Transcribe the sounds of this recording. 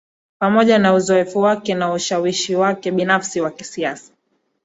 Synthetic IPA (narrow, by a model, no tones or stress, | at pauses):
pamɔʄanauzɔɛfuwakɛnauʃawiʃiwakɛɓinafsiwakisiasḁ